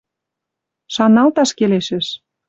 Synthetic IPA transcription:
ʃɑnɑlt̪ɑʃkeleʃĕʃ

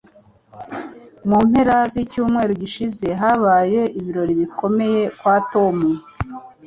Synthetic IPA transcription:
muːmhe̞ɾazicuːmŋe̞ːɾoɟiʃize̞ɦaβaːje̞ʔiβiɾo̞ɾiβiko̞me̞je̞kwaːto̞mu

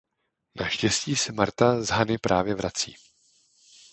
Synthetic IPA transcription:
naʃcɛsciːsɛmaɾt̪azɦanɪpɾʔaːvjɛvɾat͡sḭː

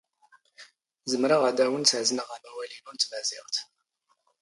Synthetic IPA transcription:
zəmɾaʁad̪æwənt͡sʕznəʁamæwælinʊɾt̪mæzɪʁt̪

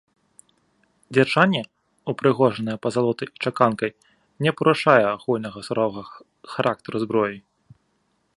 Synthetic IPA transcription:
d͡zʲɛrt͡ʂanʲːɛ | upɾɨɣɔʐɐnɐjɛpɐzalˠɔt̪ɐjit͡ʂakankɐj | nʲɛpɐɾuʂajɛaɣulʲnɐɣɐsɾɔvɐɣɐ | xaɾʔak̚t̪ɐɾuzbɾɔji

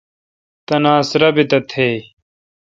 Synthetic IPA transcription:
t̪ɐnaːsɾɐbit̪ɐt̪ʰeː

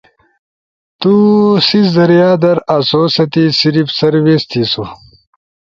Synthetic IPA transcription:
t̪usiszɐɾijaːd̪ɐɾasoːsɐt̪isiɾifsɐɾwest̪isu

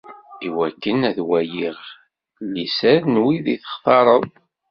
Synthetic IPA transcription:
iwækːənæðwæjiʁ | lisæɾnwiðiθə̥χθɑɾˤəðˤ

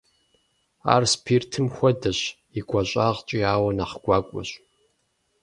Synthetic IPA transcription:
a̰ːrspʰiːrtʰɨmxʷɔdɐɕ | iɡʷaɕʼaːʁt͡ʃʼiaːwɐnaχɡʷaːkʷʼɔ̰ɕ

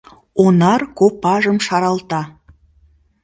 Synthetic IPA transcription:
onɑrkopɑʒəmʃɑɾɑlt̪ɑ

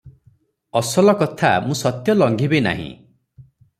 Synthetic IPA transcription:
ɔsɔlɔkɔt̪ʰamũsɔt̪jɔlɔŋɡʱibena̰ɦḭ̃

